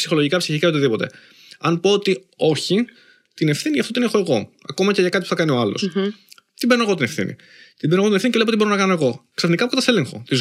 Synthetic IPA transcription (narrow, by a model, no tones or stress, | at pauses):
sixo̞loʝikɐpsiçikɐeo̞t̪iðipo̞t̪e̞̰ | ɐnpoot̪i | o̞çi | t̪ine̞fθiniʝɐft̪ot̪inexo̞e̞ɣo̞ | ɐko̞mɐceʝɐkɐt̪ipuθɐkɐnio̞ɐlo̞̰s | t̪ibeno̞eɣo̞t̪ine̞fθḭnḭ | t̪imbe̞no̞ɣoiefθinicele̞ot̪iboɾo̞nɐkɐno̞e̞ɣo̞ksɐfnikɐpokɐt̪ɐsle̞ŋxo̞̰t̪iz